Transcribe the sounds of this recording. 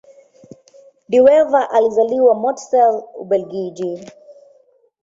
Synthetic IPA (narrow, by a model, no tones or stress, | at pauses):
diwɛvaʔalizaliwamɔtsɛlṵbɛlɡid͡ʒi